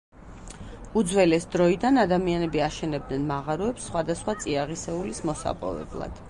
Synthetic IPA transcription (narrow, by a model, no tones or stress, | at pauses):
ud̪zwɛlɛsd̪ɾɔid̪anad̪amianɛbiaʃɛnɛb̚d̪nɛnmaʁaɾɔɛpsːχwad̪asχwat̪sʼiaʁisɛulismɔsa̰pʼɔ̰vɛ̰blˠa̰d̪̥